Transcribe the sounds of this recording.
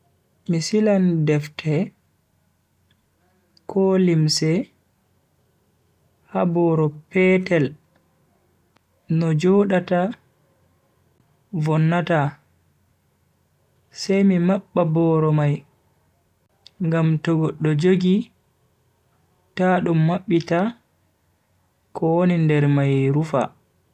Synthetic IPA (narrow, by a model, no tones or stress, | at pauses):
misilandɛftʰɛ | kʰɔlimsɛ | habɔːɾɔpɛtɛl | nɔd͡ʒɔɗata | vɔnːata | sajmimaɓːabɔːɾɔmaj | ŋɡamtɔɡɔɗːɔd͡ʒoɡi | taɗumːaɓːita | kɔwonindɛɾmajɾufa̰